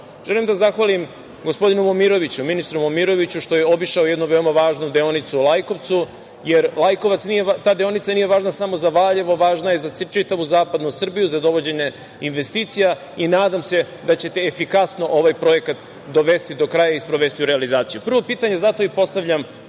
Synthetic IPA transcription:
ʒ̥elimd̪azaxʋalim | ɡo̞spo̞d̪inumomiɾo̞ʋit͡ɕuminist̪ɾumomiɾo̞ʋit͡ɕuʃt̪o̞je̞obiʃao̞jed̪nuʋeomaʋaːʒnud̪eonit̪sulˠajko̞ʋt̪su | jeɾlˠajko̞ʋat̪snijeat̪aːd̪eo̞nit̪anije̞ʋaːʒnasamo̞zaʋaʎeʋo̞ʋaːʒnajezasit͡ʃit̪aʋuzaːpad̪nusr̩bijuzad̪o̞ʋo̞d͡ʑe̞ɲe̞ | inʋe̞st̪iːt̪sija | inaːd̪amse̞ | d̪at͡ɕe̞t̪e̞efikasno̞ʔo̞ʋajpɾo̞je̞kat̪ | d̪o̞ʋe̞st̪id̪o̞kɾajaispɾo̞ʋe̞st̪iuɾealizaːt̪sijupr̩ʋo̞piːt̪aɲe̞zat̪o̞ipo̞st̪aʋʎam

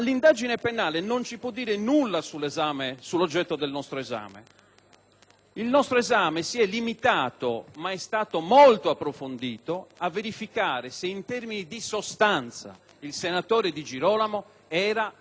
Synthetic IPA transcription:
alːind̪ad͡ʒinepenaːlenont͡ʃipwɔd̪ːiːɾenulːasulːezaːmesulːod͡ʒːɛt̪ːod̪elnɔst̪ɾoeza̰ːmḛ | ilnɔst̪ɾoezaːmesiɛlːimit̪aːt̪o̰maɛst̪aːt̪omolt̪oapːɾofond̪iːt̪oavːeɾifikaːɾeseint̪ɛrminid̪isost̪ant̪sa̰ | ilsenat̪oːɾed̪id͡ʒiɾɔːlamo | ɛːɾa

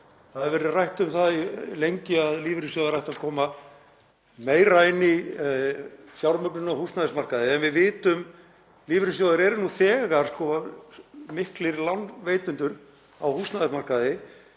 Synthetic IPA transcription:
θaðɾvɛːɾʏrajht̪ʏmθaðilejɲcɪaðliːvɾɪsjoːðaɾajht̪aðkʰɔːma | meːjraːjnɪ | sjawɾmœknʏnawhust̪naðɛsmarkaðɪɛnvɪðvɪːt̪ʏm | liːvɾɪsjowðaɾɛɾnuθɛːɣaɾ̥skɔa | mɪhklɪɾlanveːjt̪ʏnt̪ʏɾ | a̰whust̪naðɛsmarkaðɪ

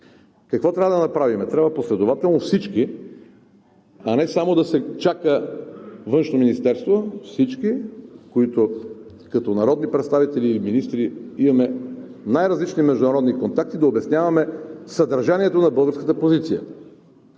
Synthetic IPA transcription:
kɐkvɔt̪ɾʲavəd̪ɐnɐpɾavimɛt̪ɾʲabvɐposlɛd̪ovat̪ɛlˠnofsit͡ʃki | ɐnɛsamod̪ɐsɛt͡ʃakə | vɤnʃnominist̪ɛɾst̪vofsit͡ʃkikoit̪o | kɐt̪ɔnɐɾɔd̪nipɾɛt̪st̪avit̪ɛliiminist̪ɾiimɐmɛ | najɾɐzlit͡ʃnimɛʒd̪ʊnɐɾɔd̪nikont̪ak̚t̪id̪ɐobɛsnjavɐmɛsɐd̪ɐɾʒaniɛt̪onɐbɤlˠɡəɾskət̪əpozit̪sijə̰

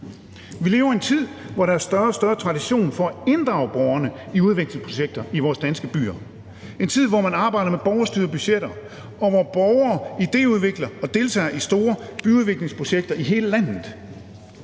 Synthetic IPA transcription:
ʋile̝ːʊɐe̝nt͡sʰið̰ˠʋɒɾɑæɐsd̥ɶɐsd̥ɶɐt͡sʰʁɑ̈diɕo̝̰ːnfɒ̽æe̝nd̥ʁɑ̈ʊb̥ɒʊɐnəiuð̞ˠʋeɡ̥le̝ŋspʰʁo̝ɕeɡ̥̚d̥ɐiʋɒːsd̥ænsɡ̥əb̥y̰ːɐ | e̝nt͡sʰið̞̰ˠʋɒmænɑ̈ːb̥ɑ̈ɪɾ̥ɐmeb̥ɒʊɐsd̥y̰ːɐb̥yɕeɾ̥ɐ | ɒ̽ʋɒb̥ɒʊɐːid̥e̝̰ːuð̞ˠʋe̝ɡ̥lɐɒ̽d̥e̝ːlt͡sʰɛ̰ːɐisd̥o̝ːɐb̥yuð̞ˠʋe̝ɡ̥le̝ŋspʰʁo̝ɕeɡ̥̚d̥ɐiɦe̝ːləlæn̰ð̩ˠ

